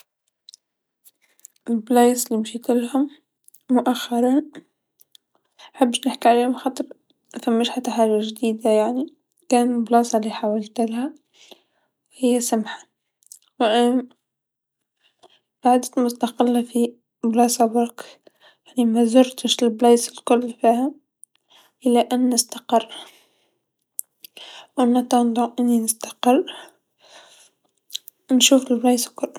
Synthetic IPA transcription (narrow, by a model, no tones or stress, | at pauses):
ʔɪlblejslimʃiːt̪ɪlhʊmː | ʊʔaxːɑɾˤɑn | aħabːʃnɪħkiʕaleːhmxɑt̪ˤːɨɾ | ʔfamːɪʃħat̪ːaħaːʒaʒd̪iːd̪ajaʕni | kaːnblɑːsˤɑlːiːħawalt̪ɪlha | hɪjːasamħḁ | wʔ | b̥aʕd̪at̪mʊst̪aqɪlːafi | blɑːsˤɑbʊk | jaʕnimazʊɾt̪ɪʃɪlbleːsɪlkʊlːfiːha | ʔɪlaʔanːɪst̪ḁqɪrː | wʔanːat̪and̪ˤʊʔɪnːinɪst̪ḁqɪrˤː | nʃuːfɪlblɑːskʊlː